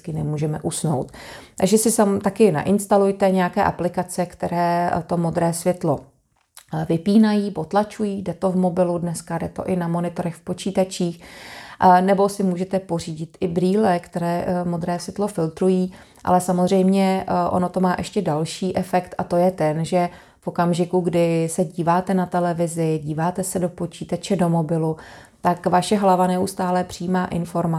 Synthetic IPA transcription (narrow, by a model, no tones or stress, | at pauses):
kɪnɛmuːʒɛmɛʔusno̞wt̪t̪a̰ɡʒɛsɪsamt̪akɪna̰ʔɪnst̪alujt̪ɛɲɛjakɛːʔa̰plɪkat͡sɛkt̪ɛɾɛːt̪o̞mo̞d̪ɾɛːsvjɛt̪lo̞ | vɪpiːnajiːpo̞t̪lat͡ʃujiːdɛt̪o̞vmo̞bɪludnɛskadɛt̪o̞̰ʔɪnamo̞nɪt̪o̞ɾɛxfpo̞t͡ʃiːt̪at͡ʃiːxʔnɛbo̞sɪmuːʒɛt̪ɛpo̞r̝iːɟɪt̪ʔɪbɾiːlɛkt̪ɛɾɛːmo̞d̪ɾɛːsɪt̪lo̞fɪlt̪ɾujiː | ʔa̰lɛsamozr̝ɛjmɲɛʔo̰no̞t̪o̞maːʔɛʃcɛdalʃiːʔɛfɛkt̪ʔat̪o̞jɛt̪ɛnʒɛ | fo̞kamʒɪkuɡdɪsɛɟiːvaːt̪ɛnat̪ɛlɛvɪzɪɟiːvaːt̪ɛsɛdo̞po̞t͡ʃiːt̪at͡ʃɛdo̞mo̞bɪlu | t̪akvaʃɛɦlavanɛust̪aːlɛpr̥ijiːmaːʔɪnfo̞ɾma